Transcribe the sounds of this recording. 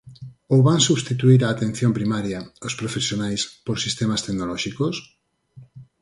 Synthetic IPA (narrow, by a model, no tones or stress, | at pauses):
owβaŋsuβst̪it̪uiɾaːt̪ẽn̟θjompɾimaɾjaospɾofesjonajspoɾsist̪emast̪eɡnolɔʃikos